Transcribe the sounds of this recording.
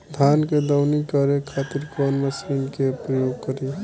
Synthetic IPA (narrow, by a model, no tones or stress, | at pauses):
d̪ʱanked̪əwnikːəɾekʰat̪iɾkənməsinkepɾəjoɡkəɾe